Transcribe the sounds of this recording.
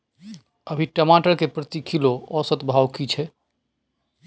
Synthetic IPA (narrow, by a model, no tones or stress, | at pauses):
əbʱiʈəmaʈəɾkepɾət̪ikʰiloɔsət̪bʱawkit͡ʃʰɛ